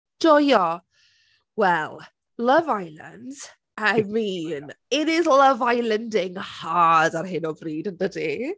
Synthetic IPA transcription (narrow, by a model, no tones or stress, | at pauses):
d̥ɔjɔ | wɛlˠ | ləvajlə̰nd̥ | ajmiːnɪɾɪðləvajləndɪŋhadarɦɪnɔbriːdəndədi